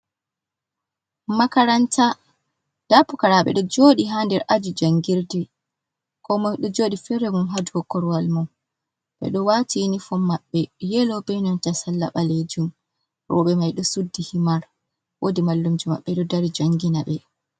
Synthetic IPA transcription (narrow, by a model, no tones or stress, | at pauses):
makaɾanta | d̥apukaɾaɓɛ̰ɗɔd͡ʒoːɗiɦandɛɾʔad͡ʒud͡ʒaŋɡiɾdi | kɔmaɗɔd͡ʒoːɗifɛɾɛmumɦaduhɔkːɔɾwalmum | ɓɛ̰ɗɔwatinifɔmːaɓːɛjɛlɔbɛjnɔntasalːa̰ɓaled͡ʒum | ɾɔ̰ɓɛmajɗɔsudːihimaɾ | wʔodimalːumd͡ʒuma̰ɓːɛɗɔdaɾid͡ʒaŋɡinaɓɛ